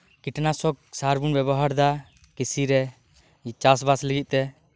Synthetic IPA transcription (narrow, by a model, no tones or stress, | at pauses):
kiʈnasɔk̚saɾbunbɛbɔɦaɾd̪a | kisiɾɛ | it͡ʃasbasləɡit̪̚t̪ɛ